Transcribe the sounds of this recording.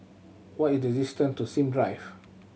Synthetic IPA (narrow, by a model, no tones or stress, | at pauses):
wɔtitɹɛzistə̃ntusĩmdɹajf